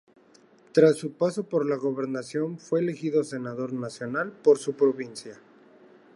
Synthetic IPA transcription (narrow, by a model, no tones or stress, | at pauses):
t̪ɾasːupaso̞po̞ɾlaɣo̞βe̞ɾnasjo̞nfwe̞ːle̞xiðose̞naðo̞ɾnasjo̞nalpo̞ɾsupɾo̞βinsja